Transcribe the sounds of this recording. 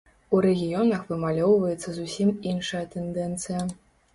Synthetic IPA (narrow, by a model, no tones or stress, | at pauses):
uɾɛɣʲijɔnɐxvɨmalʲɔwvɐjɛt̪sːɐzusʲiminʂɐjɐt̪ɛnd̪ɛnt̪sɨjɐ